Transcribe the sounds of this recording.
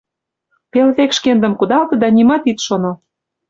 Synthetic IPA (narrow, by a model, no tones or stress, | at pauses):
pelβekʃkend̪ə̆mkud̪ɑlt̪ɤ̆d̪ɑnimɑt̪it̪ʃono